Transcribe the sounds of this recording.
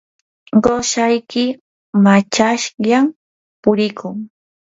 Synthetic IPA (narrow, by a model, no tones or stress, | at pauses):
ɢoʃajkɪ | mat͡ʃaʃʎam | pʊɾɪkʊŋ